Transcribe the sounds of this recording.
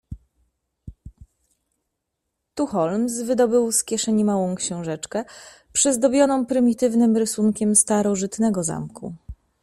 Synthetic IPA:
t̪uxɔlms̬vɘd̪ɔbɘwskʲjɛʂɛɲimawɔ̃w̃kɕɛ̃w̃ʐɛt͡ʂkɛ | pʂɛzd̪ɔbʲjɔnɔ̃w̃pɾɘmʲit̪ɘvnɘmɾɘsuŋkʲɛmst̪aɾɔʐɘt̪nɛɡɔza̰mkṵ

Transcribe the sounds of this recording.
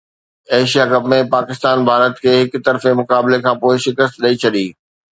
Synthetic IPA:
eːʃijakɐbmẽpaːkɪst̪aːnbʱaːɾət̪kʰeːɦɪkt̪ɐɾfemʊkaːblekʰãːpoːɪʃɪkəs̬t̪ɗɐit͡ɕʰɐɗiː

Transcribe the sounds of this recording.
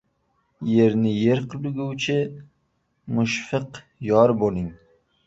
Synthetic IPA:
je̞ɾnɪjeɾqʰɨlʊɡʲuwt͡ʃʰɪ | mʊʃfɨq | jɒɾbolˠɪŋ

